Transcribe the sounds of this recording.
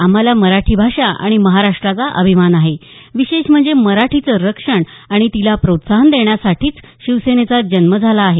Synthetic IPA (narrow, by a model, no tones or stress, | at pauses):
am̤alaməɾaʈʰiːbʱaʂaa̰ɽ̃iməɦaɾaʂʈɾat͡saʔəbʱimanaɦeʋiɕeɕm̤əɳd͡zeməɾaʈʰit͡səɾəkʂəɳaɽ̃it̪ilapɾot̪saɦənd̪eɳ̃jasaʈʰiːt͡sɕiʋsenet͡sad͡ʑənməd͡zʱalaːɦe